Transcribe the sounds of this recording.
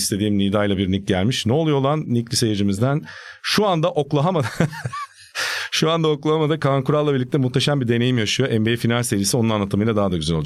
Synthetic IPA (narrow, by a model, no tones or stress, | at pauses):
st̪ʰe̞d̪iːmniːd̪ajlˠabiɾnic̚ɟælʲmiʃnɛolˠujolˠanːiclʲisejed͡ʒimizd̪ænʃuand̪aʔo̞klˠaɦamad̪a | ʃuand̪ao̞klˠaɦamad̪akʰaŋkuɾalːˠabiɾlʲic̚t̪ʰɛmuht̪ʰːe̞ʃambiɾd̪e̞ne̞jimjaʃɯjo̞ʔɛmbejifinalʲse̞ɾijisio̞nunanlːˠat̪ɯmɯjlˠad̪aɦad̪aɟyzælʲolˠd͡ʒ